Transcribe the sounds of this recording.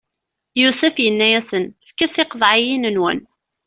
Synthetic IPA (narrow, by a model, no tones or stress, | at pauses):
jusəfjənːæjæsənfkəθɪqðˤʕijinənwə̰n